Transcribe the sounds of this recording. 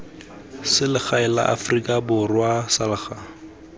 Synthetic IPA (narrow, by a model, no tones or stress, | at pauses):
sɪlɪχaɪla̰ʔa̰frikʼabʊrwasalɪχa